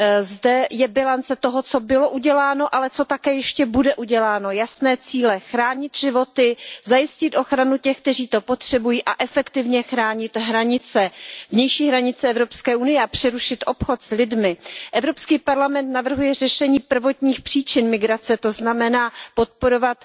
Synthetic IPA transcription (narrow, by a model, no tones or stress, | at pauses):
zdɛjɛbɪlant͡sɛt̪o̞ɦo̞t͡so̞bɪlo̞ʔuɟɛlaːno̞ʔalɛt͡so̞t̪akɛːjɛʃcɛbudɛʔuɟɛlaːno̞jasnɛːt͡siːlɛxɾaːɲɪt̪ʒɪvo̞t̪ɪzajɪscɪt̪ʔo̞xɾanucɛxk̚t̪ɛr̝iːt̪o̞po̞t̪r̝̥ɛbujiːʔaʔɛfɛkt̪ɪvɲɛxɾaːɲɪt̪ɦɾaɲɪt͡sɛvɲɛjʃiːɦɾaɲɪt͡sɛɛvɾopskɛːʔunɪjɛapr̥ɛɾuʃɪt̪ʔo̞pxo̞t̪slɪdmɪʔɛvɾo̞pskiːpaɾlamɛnt̪navr̩ɦujɛr̝ɛʃɛɲiːpr̩vo̞t̪ɲiːxpr̥iːt͡ʃɪnmɪɡɾat͡sɛt̪o̞znamɛnaːpo̞t̪̚po̞ɾo̞vat̪